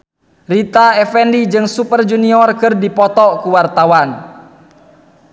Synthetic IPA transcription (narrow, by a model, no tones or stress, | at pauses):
rit̪aɛfɛndid͡ʒɨŋsupərd͡ʒuniɔrkɨrdipɔt̪ɔkuwart̪awan